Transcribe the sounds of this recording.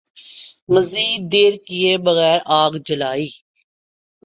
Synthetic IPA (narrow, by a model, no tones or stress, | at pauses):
məziːd̪eːɾkɪjeːbəɣɛːɾʔaːɡd͡ʒəlaːiː